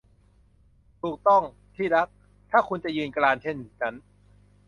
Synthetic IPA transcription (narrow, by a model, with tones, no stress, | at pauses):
t̪ʰuː˨˩k̚t̪ɔ˥˩ŋ | t̪ʰiː˥˩ɾa˦˥k̚ | t̪ʰaː˥˩kʰu˧nt͡ɕa˨˩jɯː˧nklaː˧nt͡ɕʰe˥˩ni˨˩t͡ɕʰa˦˥n